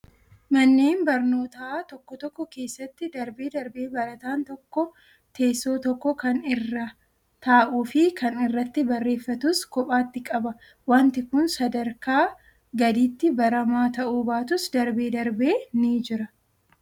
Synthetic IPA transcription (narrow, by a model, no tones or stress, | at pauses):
mɐnːeːnbɐɾno̞ːt̪aːt̪ɔkːɔt̪ɔkːɔke̞ːsːɐt̪ːɪd̪ɐɾbeːd̪ɐɾbe̞ːbɐɾɐt̪aːnt̪ɔkːɔ | t̪ʰe̞ːsːo̞ːt̪ɔkːɔkɐnɪrːɐ | t̪aːʔuːfɪkɐnɪrːɐt̪ːɪbɐrːe̞ːfːɐt̪ʊskɔpʼaːt̪ːɪkʼɐbɐ | waːnt̪ɪkʊnsɐd̪ɐɾkaː | ɡɐd̪iːt̪ːɪbɐɾɐmaːt̪ɐʔuːbaːt̪ʊsd̪ɐɾbe̞ːd̪ɐɾbe̞ːniːd͡ʒɪɾɐ